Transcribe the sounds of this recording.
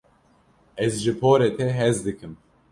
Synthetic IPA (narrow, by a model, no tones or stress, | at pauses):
ɛzʒɨpʰoːɾet̪ʰɛɦɛzd̪ɨkɨm